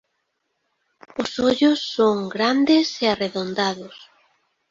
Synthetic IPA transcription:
ʊsoʎʊsːoŋɡɾand̪ɪseareðond̪aðʊs

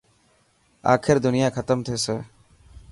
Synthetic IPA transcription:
a̰ːkʰɪɾd̪ʊnɪjaːkʰət̪əmt̪ʰeːseː

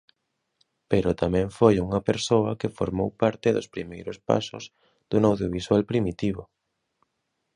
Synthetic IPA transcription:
peɾʊt̪amɛ̃ɱfojuŋɐpeɾsoɐkefo̰ɾmowpaɾt̪ɪðʊ̰spɾimejɾʊspa̰sʊ̰z̥ | ð̥uŋawðjoβiswalpɾimit̪iβʊ

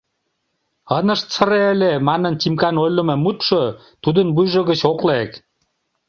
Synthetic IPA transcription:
ənə̆ʃt͡sə̆ɾeəlemɑnə̆nt͡ɕimkɑnojlə̆mĕmut̪ʃo | t̪ud̪ənbujʒə̆ɣə̆t͡ɕoklek

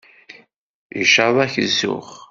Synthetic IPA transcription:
ḭʃavæçəzːʊ̰χ

